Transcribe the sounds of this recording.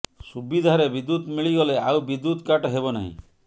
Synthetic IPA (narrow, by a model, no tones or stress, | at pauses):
subid̪ʱaɾebid̪ːut̪miɭiɡɔleawbid̪ːut̪kaʈɦebɔna̰ɦḭ̃